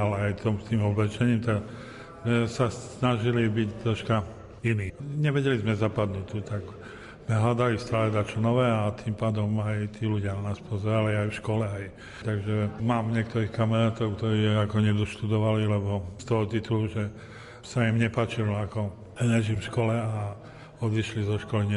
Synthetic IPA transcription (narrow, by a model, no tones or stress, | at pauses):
alɛajt̪ɔmt̪iːmɔblɛt͡ʃɛɲiːmt̪aɡ | zmɛsasnaʒilibict̪ɾɔʃka | iniːɲɛʋɛɟɛlizmɛzapad̪nuːt̪ut̪aɡ | zmɛɦlad̪alist̪aːlɛɛd̪at͡ʃɔnɔʋɛat̪impaːd̪ɔmajt̪iːluɟɪananaːspɔzɛɾaliajfʃkɔlɛaj | t̪aɡʒɛmaːmɲɪɛk̚t̪ɔɾiːxkamɛɾaːt̪ɔʊkt̪ɔɾiːakɔɲɛd̪ɔʃt̪ud̪ɔʋalilɛbɔst̪ɔɦɔt̪it̪uluʒɛ | saimɲɛpaːt͡ʃilɔakɔ | lɛʒifʃkɔlɛa | ɔd̪iʃlizɔʃkɔliɲɛ